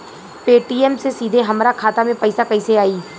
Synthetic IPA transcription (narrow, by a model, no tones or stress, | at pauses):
peːʈiːɛːmsesiːd̪ʱeɦəmɾaːkʰaːt̪aːmẽːpəɪsaːkəiːseaːiː